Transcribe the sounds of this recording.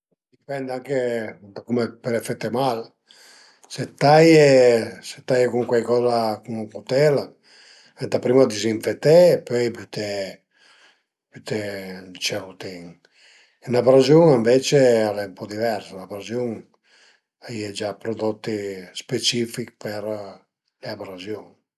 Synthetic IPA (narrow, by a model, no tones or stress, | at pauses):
d̪ipɛnd̪aŋke | d̪akumepeɾefet̪ːemal | set̪ːajese̥t̪ajekuŋkwajkɔzakuŋuŋkut̪ɛla | ɛd̪apɾimad̪isiɱfet̪ːeːpøjpyt̪e | pyt̪ed̪it͡ʃɛut̪iŋ | inapɾazjuŋeɱvet͡ʃealɛumpɔd̪ivɛɾsanabɾazjuŋ | aied͡ʒapɾod̪ot̪ːispet͡ʃifikpeɾ | leabɾazjuŋ